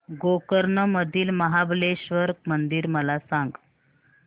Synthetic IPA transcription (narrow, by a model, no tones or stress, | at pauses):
ɡokəɾɳəməd̪ʱiːlməɦableɕʋəɾk̚mənd̪iːɾməlasãŋɡ